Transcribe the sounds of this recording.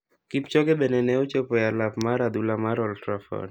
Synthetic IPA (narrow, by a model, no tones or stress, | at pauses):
kipt͡ʃɔɡɛbɛnɛnɛot͡ʃopɔjalapmaɾad̪ulamaɾɔltɾafɔ̰n